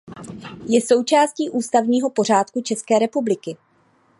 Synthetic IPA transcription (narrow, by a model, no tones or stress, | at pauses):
jɛso̞wt͡ʃaːsciːʔuːst̪avɲiːɦo̞po̞raːt̪kut͡ʃɛskɛːɾɛpublɪkɪ